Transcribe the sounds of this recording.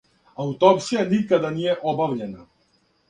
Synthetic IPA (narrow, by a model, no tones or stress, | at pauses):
aut̪ɔpʃijanikad̪anijɛʔɔbavʎɛna